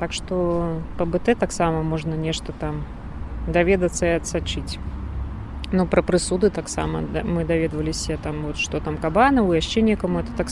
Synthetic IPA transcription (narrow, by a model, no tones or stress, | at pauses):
t̪akʂt̪ɔpɐbɨt̪ɛt̪aksamɐmɔʐnɐnʲɛʂt̪ɐt̪am | d̪avʲɛd̪ɐt̪sːɐiɐt̪sat͡ʂɨt͡sʲ | nupɾɐpɾɨsud̪ɨt̪aksa̰mɐ̰mɨd̪avʲɛd̪vɐlʲɪsʲɐt̪amvɔt̪ʂt̪ɔt̪amkabanɐwjaʂt͡ʃɛnʲɛkɐmuɛt̪ɐ̥t̪ak